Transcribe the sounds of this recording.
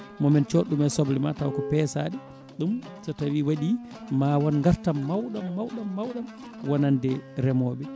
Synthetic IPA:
mɔmɛnt͡ʃɔɗumɛsɔblima̰tawkɔpɛsa̰ɗi | ɗum | tɔtawiwaɗi | mawɔnŋɡaɾtamːawɗamːawɗamːawɗam | wanandɛɾɛmɔɓɛ

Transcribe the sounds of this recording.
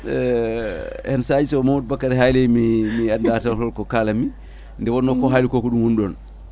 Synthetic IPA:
hɛnsad͡ʒisɔmamud̚bakːaɾɛɦajlɛjmimiandatalhɔlkɔkaːlami | ndɛwɔnːɔkɔɦalikɔkɔɗumwunɗɔn

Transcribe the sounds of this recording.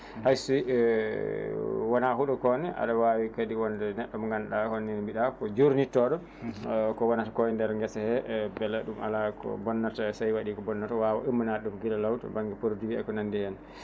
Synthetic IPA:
hajsi | wɔnaɦuɗɔkɔnɛʔa̰ɗawawikadiwɔndɛnɛɗːɔmŋɡanɗahonːinmbiɗakɔd͡ʒuɾnitːɔɗɔ | kɔwɔnatakɔjɛndɛɾŋɡɛsahɛbɛlɛɗuma̰lakɔ̰bɔnːatasajwaɗiːkɔbɔnːatawawa̰ʔimːanaɗumɡilalawtɔ̰baŋɡɛpoɾdiwiɛ̰kɔnandihɛn

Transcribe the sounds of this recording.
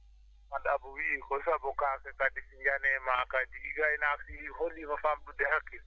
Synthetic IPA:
madabʊwiːkɔsabʊkʼakɛkʼadifind͡ʒanɛmakʼadiːɡaɪnafiholiɣɔfam̩dudɛki

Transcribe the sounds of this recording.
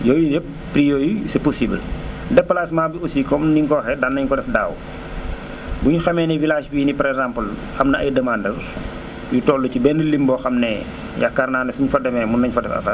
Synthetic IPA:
jɔːjujɛp̚ːɾijɔːjisɛposibldɛpːəlaːsmaːbiosiːkɔmniŋkɔːxɛdanːɐɲkɔdɛfdaːw | buɲuxɐmɛnɛvilaːʃbinipɐɾɛkzampəl | xɐmnɐʔɐ̰jdɐmaːndɐr | jutɔːlːucibɛndəlimbɔːxɐmnɛ | jakːarnaːnɛsuɲfɐdɛmɛmunːɐɲfɐdɛfɐ̰fɐ

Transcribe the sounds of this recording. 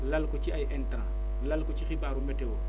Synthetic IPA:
lalkɔt͡ʃiajʔɛntɾã | lalkɔt͡ʃixiɓaːɾumɛtewo

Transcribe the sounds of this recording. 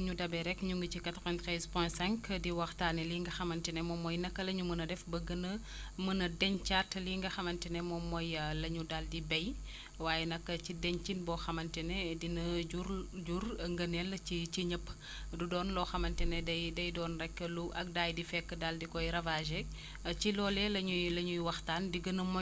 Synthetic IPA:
ɲudɐbɛɾɛkːɲuŋɡicikatɾɔɛnt̪ɾɛzpɔsɛ̃ŋkdiwɐxtaːniliŋɡɐxɐmɐntinɛmɔmɔjnɐkːɐlɐɲumənɐdɛfbəɡənɐ | mənɐdɛɲt͡ʃatliŋɡɐxɐmɐntinɛmɔmːɔjlɐɲudaldibɛj | waːjɛnɐkːɐt͡ʃidɛɲt͡ʃinbɔxɐmɐntinɛdinɐɟuɾd͡ʒurŋɡɐnɛlːɐt͡ʃit͡ʃiɲəpː | dudɔːnlɔxɐmɐntinɛdɐjdɐjdɔːnrɛkːəluʔɐk̚daːjdifɛkːədaldikɔjɾɐvaʒe | t͡ʃilɔlɛlɐɲulɐɲujwɐxtaːndiɡənɐmɔ

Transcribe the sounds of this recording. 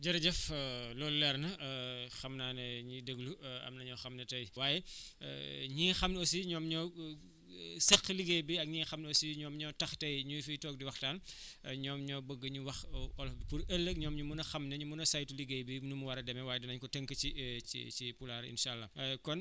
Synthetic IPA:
ɟɐɾɐɟɐflɔːlːɛrnɐxɐmnaːnɛɲidəɡluɐ̰mnɐɲɔxɐmnɐtɐjwaːjɛ̰ | ɲɛːxɐmnosiɲɔːmɲɔː | sɛxliɡejbiɐk̚ɲɛːxɐmnosiɲɔːmɲɔːtɐxtɐjɲufitɔːk̚diwɐxtaːnɲɔːmɲɔːbəɡːəɲuwɐxɔlfbipuɾɐlːəkɲɔːmɲumunɐxɐmnɐɲumunɐsajtuliɡejbinumuwɐɾɐdɛmɛwaːjɛdɐnɐɲkɔtəŋkɐciḭt͡ʃipulaːɾḭnʃaːlːɐkɔn

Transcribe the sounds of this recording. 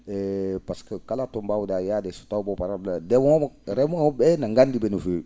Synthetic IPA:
ɛpaskəkalatɔ̃mbawudajadeso̥taubɔpaɾabladɛmɔɔmɾɛmuŋɔbɛnãŋɡandibɛnufe

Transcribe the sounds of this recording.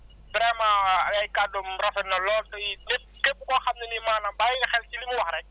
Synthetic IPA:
bɾɛmajaikadɔm̩rafɛnɔlɔtʼɔiɪ | kɪpʊkɔχamnɪlɪmanabaɪχɛlt͡ʃʼilɪmʊwaɾɛ

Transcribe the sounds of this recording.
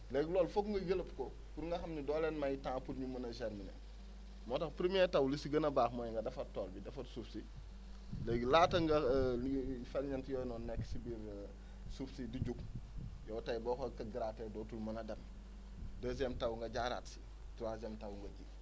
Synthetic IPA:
leɡloːlfokŋɡɐjəlpko | kuɾŋɡɐxɐmɲidolenmajitãːpulɲumɐnɐʃeɾminḛ | motɐkpɾimietawlisiɡɐnɐbaːxmojŋɡɐdɐfɐtːoːlbidɐfɐtsufsi | leɡlaːtɐŋɡɐlifelɲɐntjononːekːsibiɾ | sufsidiɟukjowtajbokokɐɡɾatedoːtulmɐnɐdɐm | dəzemtawŋɡɐɟaɾa̰ːtsi̥ | tuɾazemtawŋɡɐɟi

